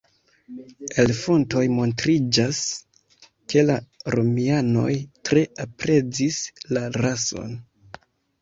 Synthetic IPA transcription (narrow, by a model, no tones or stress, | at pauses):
e̞lfo̞nto̞jmo̞ntɾid͡ʒas | ke̞laɾo̞miano̞̰jtɾe̞apɾe̞d͡zislaɾaso̞̰n